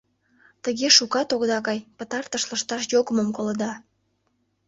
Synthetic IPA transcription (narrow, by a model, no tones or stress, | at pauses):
t̪əɣeʃukɑt̪oɣd̪ɑkɑjpət̪ɑrt̪əʃləʃt̪ɑʃ̬jokəməmkoləd̪ɑ